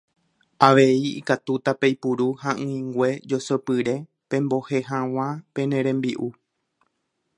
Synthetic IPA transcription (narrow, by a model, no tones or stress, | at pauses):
aʋe̞iḭkat̪ut̪apejpuɾuhãʔɨ̃ĩŋɡʷe̞d͡ʒo̞sopɨɾe̞ | pẽ̞mbo̞he̞ɦãw̃ãpẽ̞nẽɾẽ̞mbiʔu